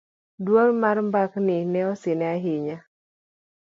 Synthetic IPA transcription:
dwoŋmarmbaknɪnɛɔsɪnɛaɦɪɲa

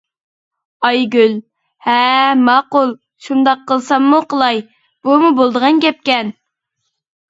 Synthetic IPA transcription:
ɑjɡʲyl | hɛmɑqʊlˠ | ʃund̪ɑqʰːəlˠsɑmːuqʰəlˠɑj | b̥umubolˠd̪əʁɑnkʲɛp̚kʲɛn

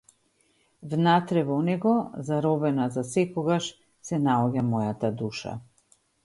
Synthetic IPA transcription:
vnat̪ɾɛvɔnɛɡɔzaɾɔbɛnazasɛkɔɡaʃ | sɛnaɔɟamɔjat̪ad̪uʃa̰

